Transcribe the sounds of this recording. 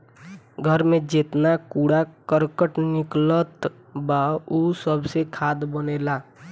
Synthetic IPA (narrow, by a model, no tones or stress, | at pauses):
ɡʱəɾmẽd͡ʒeːt̪nakuːɽakəɾkəʈnɪklət̪ | bausəbsekʰaːd̪bəneːlaː